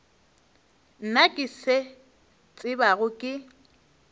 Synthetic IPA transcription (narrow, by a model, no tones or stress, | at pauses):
n̩nakʼɪse | t͡sʼɪbaɣʊkʼɪ